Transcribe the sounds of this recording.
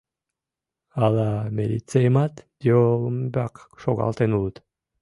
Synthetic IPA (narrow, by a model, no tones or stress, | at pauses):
alamelit͡seemat̪d̪jolmbakʃoɣa̰lt̪enulut̪